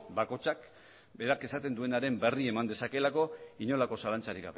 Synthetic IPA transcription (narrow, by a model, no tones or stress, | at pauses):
bako̞t͡ʃak | be̞ɾake̞sat̪e̞nd̪ue̞naɾe̞mbe̞rie̞mand̪e̞sake̞lako̞iɲo̞lako̞salant͡saɾiɣa̰βe